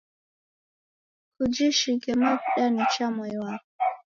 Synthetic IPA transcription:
kud͡ʒiʃiɡɛmakuɗanit͡ʃamɔjwa

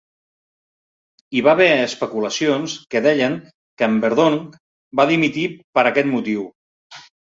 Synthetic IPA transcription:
iβaβɛəspəkuləsionskəðɛʎəŋ | kəːmbəɾðoŋk | baðimit̪ipəɾəkɛt̪mut̪iw

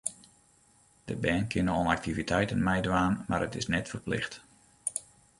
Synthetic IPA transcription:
d̥əbɛːnkʰɪnəɔnak̚tivitʰɛjtənmɛjdʋaːnma̰rətɪsnɛtfərplɪ̰xt

